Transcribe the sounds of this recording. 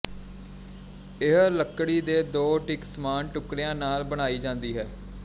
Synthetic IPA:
ɪɦləkːɽiːd̪eːd̪oːʈɪksəmaːnʈʊkɾejãːnaːlbəɽ̃aːiːd͡ʒãːnd̪iːɦɛː

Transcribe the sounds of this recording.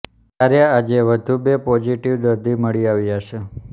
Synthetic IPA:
kaɾjaad͡ʒeʋəd̪ʱubepɔd͡ʒiʈiʋd̪əɾd̪ʱiməɭiaʋjaʃe

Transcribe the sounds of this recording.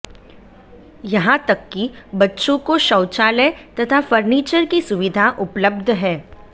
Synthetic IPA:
jɐɦãt̪ɐkːibɐtːʃõkoʃɐːt͡ʃaːlet̪ɐt̪ʰafɐɾniːt͡ʃəɾkisʊʋɪd̪ʱaʔʊpləb̚d̪ʱɦɛː

